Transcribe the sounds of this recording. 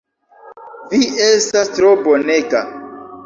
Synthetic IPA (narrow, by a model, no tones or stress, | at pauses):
viestastɾoboneɡa̰